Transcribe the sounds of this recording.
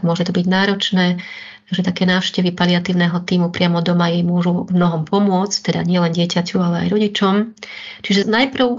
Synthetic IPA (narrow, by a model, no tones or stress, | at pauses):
mʊɔʒɛt̪ɔbiɟnaːɾɔt͡ʃnɛː | ʒɛt̪akɛːnaːʊʃcɛʋipaliat̪iːʊnɛːɦɔt̪iːmupɾɪamɔd̪ɔmajɛmʊɔʒumnɔɦɔmpɔmʊɔt͡sct̪ɛd̪a̰ɲɪɛlɛnɟɪɛcacualɛa̰jɾɔɟit͡ʃɔm | t͡ʃiʒɛnajpr̩ʊ